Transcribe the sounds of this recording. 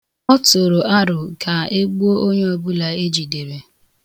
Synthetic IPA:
ɔ˦to˨ɾo˨a˦ɾʊ˨ka˨e˦ɡ͡bu˦o˦ʔo˦ɲe˦o˨bu˦la˨e˦d͡ʒi˨de˨ɾe˨

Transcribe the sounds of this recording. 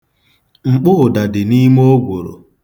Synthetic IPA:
ŋ͡m̩˨k͡pʊ˦˨da˨dɪ˨ni˦m˦o˦ɡʷo˨ɾo̰˨

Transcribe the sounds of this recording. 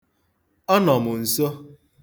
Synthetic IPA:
ɔ˦nɔ˨mʊ˨n̩˨so˦

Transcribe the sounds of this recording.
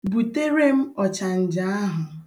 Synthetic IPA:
bu˨te˦ɾe˦m̩˦ɔ˨t͡ʃa˨n̩˨d͡ʒa˨a˦ɦʊ˨

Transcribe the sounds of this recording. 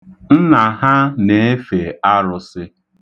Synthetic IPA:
n̩˦na˨ɦa˦ne˨˦e˦fe˨a˦ɾʊ˨sɪ˦

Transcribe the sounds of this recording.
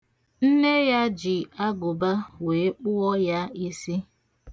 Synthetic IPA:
n̩˦ne˦ja˦d͡ʒi˨a˦ɡʊ˨ba˦we˨˦k͡pʊ˦ɔ˦ja˦i˦si˦

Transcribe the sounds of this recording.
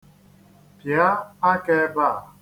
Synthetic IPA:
pja˦a˦ke˦ba˦˨

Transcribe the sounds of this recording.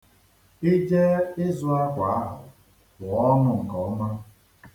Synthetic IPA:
i˦d͡ʒe˦ɪ˦zʊ˦a˦kʷa˨a˦ɦʊ˨ | bʊ˨ɔ˦nʊ˨ŋ̩˨kɔ˨˦ɔ˦ma˦

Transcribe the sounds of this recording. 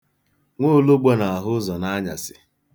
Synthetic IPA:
ŋʷoː˦lo˦ɡ͡bɔ˦na˨a˨ɦʊ˦zɔ˨na˦ɲa̰˨sɪ˨

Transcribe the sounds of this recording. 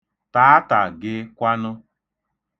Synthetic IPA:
ta˨˦a˦ta˨ɡɪ˦kʷa˦nʊ˦

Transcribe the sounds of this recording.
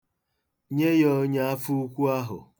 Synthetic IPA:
ɲe˦jɔ˦ɲe˦a˦fu˦u˦kʷu˦a˦ɦʊ̰˨

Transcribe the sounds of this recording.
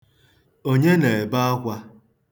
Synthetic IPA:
o˦ɲe˦ne˨e˨ba˦a˦kʷa˦

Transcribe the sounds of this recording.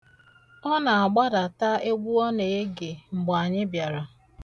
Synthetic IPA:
ɔ˦na˨a˨ɡ͡ba˦da˨ta˦e˦ɡ͡bʷu˦ɔ˦ne˨e˦ɡe˨ŋ͡m̩˨ɡ͡ba˨ɲɪ˦bja˨ɾa˨

